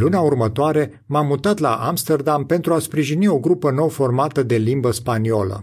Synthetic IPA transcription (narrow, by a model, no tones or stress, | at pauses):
luneaurmət̪oaɾe̞ | mamːut̪at̪la̰ʔamst̪erd̪ampe̞nt̪ɾuaspɾiʒinio̞ɡɾupəno̞wfo̞rmat̪əd̪e̞limbəspaniolə̰